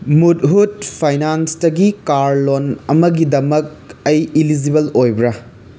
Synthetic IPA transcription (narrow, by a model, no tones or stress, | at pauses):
mut̚ɦut̚pʰajnanstɐɡikaɾlonɐmɐɡidɐmɐk̚ɐjilid͡ʒibɐlojbɾɐ